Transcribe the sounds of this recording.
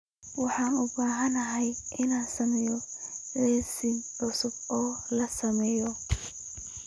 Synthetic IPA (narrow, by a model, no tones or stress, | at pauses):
wɑħɑːnʊbaːɦɐnɐɦɛjʔɪnaːnsɐmɛːjɔʕɛːsɪɡʕʊsʊbɔːlɐsɐmɛːjɔ